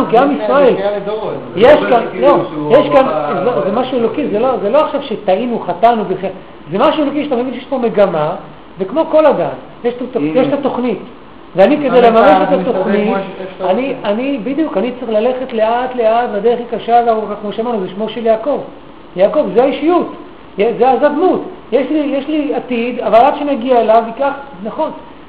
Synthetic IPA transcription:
ukiamisʁael | jeʃkanlojeʃkanzezemaʃuelo̞kizelozelo̞aχʃavʃet̪ainuχatanubeχa | zemaʃuelo̞kiʃet̪ame̞vinʃejeʃpo̞me̞ɡama | vekmo̞ko̞ladan | jeʃtotjeʃtat̪o̞χnit | veanike̞d̪ejlemame̞ʃet̪at̪o̞χnitanianibid̪ijukanitt͡sʁiχlale̞χe̞t̪le̞at̪le̞atbad̪e̞eχikaʃaveaukakmo̞ʃeamaʁnuzeʃmo̞ʃe̞ljaːko̞v | jaːko̞vzeaiʃijut | jezeazadmutjeʃlijeʃliat̪id̪avalad̥̪ʃenaɡiaelavikaχnaχo̞n

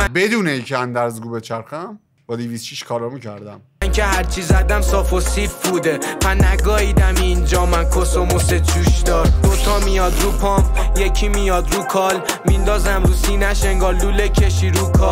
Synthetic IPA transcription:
bed̪uːneicʰeænd̪æɾzɡuːbet͡ʃʰæɾxæm | bɒːd̪iviːsʃiʃkʰɒːlɒːmuːcʰæɾd̪æm | ncʰehæɾt͡ʃʰizæd̪æmsɒːfosiɾpʰud̪epʰænæɡɒːhiːd̪æmiːnd͡ʒɒːmænkʰosomoset͡ʃʰuːʃd̪ɒːɾd̪ot̪ʰɒmijɒd̪ɾuːpʰɒːmpjecʰimijɒːd̪ɾuːkʰɒːl | mind̪ɒːzæmɾuːsinæʃe̞ŋɡɒːɾlulecʰeʃiɾuːkʰɒː

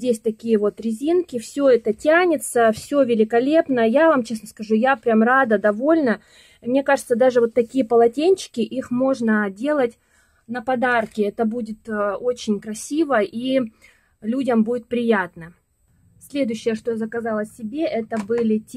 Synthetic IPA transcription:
dʲesʲt̪ɐkʲijəvo̞t̪ɾʲɪzʲinkʲɪfsʲɵɛt̪ətʲanʲɪt̪səfsʲovʲɪlʲɪkɐlʲe̞pnəjavamt͡ɕe̞snəskɐʐujapɾʲamrad̪əd̪ɐvo̞lʲnə | mnʲe̞kaʐɨt̪səd̪aʐɨvo̞t̪ːɐkʲijəpəlˠɐtʲenʲt͡ɕːɪ̥kʲɪʔixmo̞ʐnədʲe̞lˠətʲ | nəpɐd̪arkʲɪɛt̪əbudʲɪt̪o̞t͡ɕɪnʲkɾɐsʲivəʔi | lʲudʲəmbudʲɪt̪̚pɾʲɪjat̪nə | sʲlʲe̞d̪ʊjɕːɪjəʂt̪ozəkɐzalˠəɪbʲe̞ʔɛt̪əbɨlʲɪtʲ

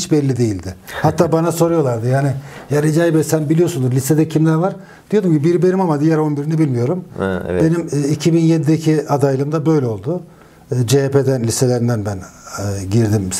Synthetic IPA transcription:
t͡ʃbɛlʲːid̪e̞jilʲd̪ɪhat̪ʰːaːbanaso̞ɾujo̞lˠaɾd̪ɯjaːnɪjaɾid͡ʒajibɛsænbilʲijo̞sund̪uɾlʲise̞d̪ɛcʰimlʲæɾvaɾ | d̪ijod̪umcʰibiɾibe̞nimamad̪ijæɾo̞nbiɾinɛbilʲmijo̞ɾum̰be̞nimːicʰibinjed̪id̪ecʰiad̪ajlˠɯmd̪abø̞jlʲeo̞lˠd̪ʊ | d͡ʒepʰed̪ænlʲise̞lʲeɾind̪ænbænɟiɾd̪im

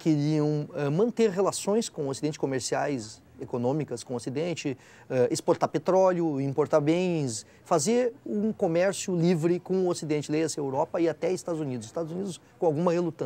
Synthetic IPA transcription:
keɾiɐ̃w̃ɛmɐ̃nt̪eɾɦelasõj̃skõosid̪ẽnt͡ʃɪ̥skomeɾsiajz | ekonõmikɐskõosid̪ẽnt͡ʃɪ | ɛʔespoɾt̪apet̪ɾɔljʊĩpoɾt̪abẽj̃s | fazeɾũkomɛɾsjʊlivɾɪkõʊosid̪ẽnt͡ʃɪlejɐsiɐewɾɔpɐɪat̪ɛɪst̪ad̪ʊzunid̪ʊzɪst̪ad̪ʊzunid̪ʊskõawɡũmɐhelut̪ɐ̃

